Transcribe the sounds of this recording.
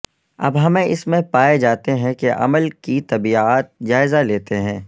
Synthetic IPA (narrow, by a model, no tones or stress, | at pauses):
ɐ̰bɦɐmẽʔɪsmẽpaːed͡ʒaːt̪eɦɛ̃keʔɐ̰məlkit̪ɐbiaːt̪̚d͡ʒaːɪzaleːt̪eɦɛ̃ː